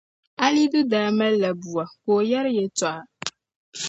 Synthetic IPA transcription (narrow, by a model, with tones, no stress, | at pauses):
a˦li˦du˦daː˨˦mɛ˦llːa˨bu˨a˨ko˨ja˦ɾjɛ˨tɔ˨ʔa˨